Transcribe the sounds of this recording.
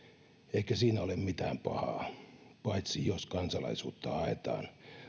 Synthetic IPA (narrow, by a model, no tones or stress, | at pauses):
eikæsiːnæolemmit̪æ̰ːmpɑ̰hɑ̰ːpɑit̪sijoskɑnsɑlɑ̰isuːt̪ːɑɑet̪ɑ̰ːn